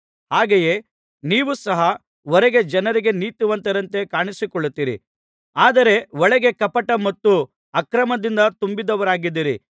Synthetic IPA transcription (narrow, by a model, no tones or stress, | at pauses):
haːɡeje̞ː | niːʋusɐɦɐ | ɔɾɛɡe̞d͡ʒɐnɐɾiɡe̞niːt̪uʋɐnt̪ɐɾɐnt̪e̞kaːɳisikɔɭːut̪ːiːɾḭ | aːd̪ɐɾe̞ʋɔɭɛɡe̞kɐpɐʈɐmɐt̪ːu | ɐkɾɐmɐd̪ind̪ɐt̪umbid̪ɐʋɐɾaːɡid̪ːiːɾḭ